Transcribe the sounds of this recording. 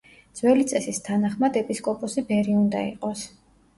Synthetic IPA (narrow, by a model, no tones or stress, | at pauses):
d̪z̥wɛlit̪sʼɛsist̪ʰanaχmad̪ɛpʼiskʼɔpʼɔsibɛɾiund̪a̰ḭqʼɔs